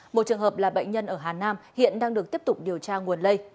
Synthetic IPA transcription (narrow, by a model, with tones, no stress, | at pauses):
mo˨˩t̚t͡ɕɨ˨˩əŋɦəː˨˩p̚laː˨˩ɓə̰˧˨jŋ̟ɲə˧nʔəː˧˩ɦaː˨˩naː˧mhḭ˧˨ənɗaː˧ŋɗɨ˨˩ək̚t̪i˦˥əp̚t̪ʊ˨˩k͡p̚ɗi˨˩əwt͡ɕaː˧ŋu˨˩ənlə˧j